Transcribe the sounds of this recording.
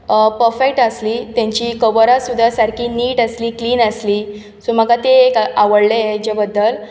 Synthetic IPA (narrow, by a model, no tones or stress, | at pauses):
pəɾfek̚ʈəsliːt̪jãɲt͡ɕiːkəʋəɾasud̪ʱːasaɾkʰiːniːʈəsliːkliːnəsliː | soməɡat̪eːkaʋəɽleed͡ʑebəd̪ʱːəl